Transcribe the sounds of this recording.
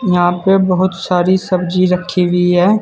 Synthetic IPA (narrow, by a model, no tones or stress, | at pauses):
jɐɦãpebɐɦʊt̪saːɾisɐbd͡ʒiɾɐkʰːeʋiɦɛː